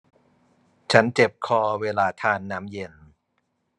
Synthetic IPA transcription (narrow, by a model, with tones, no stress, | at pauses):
t͡ɕʰa˦˥nt͡ɕe˨˩p̚kʰɔː˧weː˧laː˧t̪ʰaː˧nːaː˦˥mje˧n